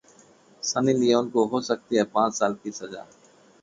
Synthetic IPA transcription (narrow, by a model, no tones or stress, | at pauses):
sənilieʊnkoɦosək̚t̪iɦɛpãːt͡ʃsaːlkisɐza̰ː